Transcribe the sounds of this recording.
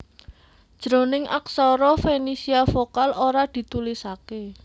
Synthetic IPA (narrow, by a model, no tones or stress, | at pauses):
d̥ʒ̥ɾonɪŋa̰ksɔɾɔfenisiafokaloɾad̪̥i̤t̪ulisake